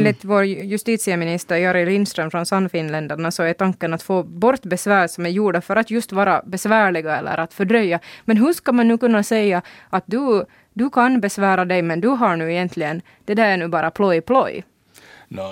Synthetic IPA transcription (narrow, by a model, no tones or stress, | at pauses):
nlɪt̪voːɾjɵst̪iːt̪sɪəmɪnɪst̪əɾjɑɾɪlɪnst̪ɾœmfɾɔnsanːfɪnlɛnd̪əɳasɔɛt̪ʰaŋkːənat̪foːbɔɾt̪bɛsʋæːɾsɔmæɾjuːɖafœɾat̪jɵst̪vɑːɾabɛsvæːɭɪɡaɛ̰lːʔə̰ɾʔat̪fœɖɾœjːɑmɛnɦɵʂkamanːʉ̟ːkɵnːasɛjːɑʔɑt̪̚d̪ʉ | d̪ɵkʰanbɛsvæːɾad̪ɛjmɛnd̪ɵɦaɳʉːɛjɛnt̪ʰlɪɡən | d̪̥ɛd̪æːɾæɳʉːbɑːɾʔapʰlɔjpʰlɔj